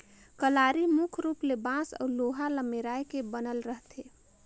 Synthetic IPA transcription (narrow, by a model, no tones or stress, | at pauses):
kəlaɾimukʰɾuplebãsə̰uloɦaləmeɾajkebənəlɾəɦt̪ʰe